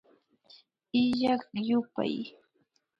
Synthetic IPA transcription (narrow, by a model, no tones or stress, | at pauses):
ɪʎɑχjʊpa̰j